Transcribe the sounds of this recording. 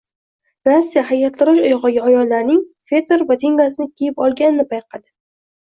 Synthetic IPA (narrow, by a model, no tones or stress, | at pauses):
nasːijaɦajat̪lɪɾɪʃajʁɑɡʲaajɒllːaɾnɪŋfe̞t̪ʰeɾvat̪ʰe̞ŋɡas̬ɪnɪkʲʰejɪpɒlˠɡʲanɪnɪpʰajqʰɑd̪ɪ̥